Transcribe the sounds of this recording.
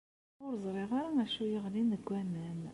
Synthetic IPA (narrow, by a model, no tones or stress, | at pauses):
ʊɾzˤɾˤɪʁaɾaæʃujəʁlinəɡʷːæmæn